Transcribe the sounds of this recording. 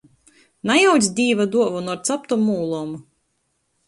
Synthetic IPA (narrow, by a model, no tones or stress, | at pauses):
najawd̪zʲd̪ʲiːvad̪uɔvunɔɾt̪sap̚t̪ɔmuːlˠɔm